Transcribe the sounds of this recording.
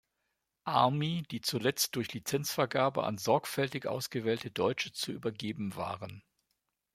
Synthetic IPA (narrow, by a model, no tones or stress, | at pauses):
ʔaɐmid̥iːt͡sulɛt͡st̚d̥ʊɐçlit͡sɛnt͡sfɛɐɡaːbə̰ʔa̰nzɔɐkfɛltɪçʔa̰ʊsɡ̥əvɛːltədɔʏt͡ʃət͡suʔy̰ːbɐɡeːbm̩va̰ːʁən